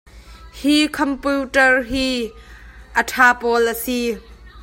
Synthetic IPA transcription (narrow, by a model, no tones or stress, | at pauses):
hikʰɔmputəɹɦi | ʔətʰaːpɔləsi